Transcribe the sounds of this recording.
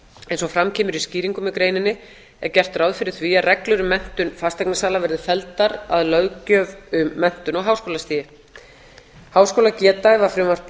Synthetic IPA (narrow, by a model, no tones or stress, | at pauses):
ɛjnsɔɣfɾamcʰɛːmʏɾisciːɾiŋkʏmɪkɾeːjnɪnːɪ | ɛ̰ɾcɛr̥t̪raːwðfɪɾɪɾ̥θviarɛklʏɾʏmɛn̥t̪ʏnfast̪ɛknasaːlavɛɾðɪfɛlt̪aɾaðlœwcœːvʏmːɛn̥t̪ʏnɔɣɦaːwskoːlast̪iːjɪ | haːwskowlacɛːt̪avaɾ̥fɾɪmar̥t̪